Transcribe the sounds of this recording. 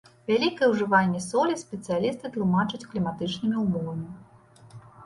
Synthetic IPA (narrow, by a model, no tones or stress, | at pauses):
vʲalʲikɐjɛwʐɨvalʲːɐsɔlʲisʲpʲɛt̪sɨjalʲist̪ɨt̪lˠumat͡ʂɐt͡sʲklʲimat̪ɨt͡ʂnɨmʲiumɔvɐmʲi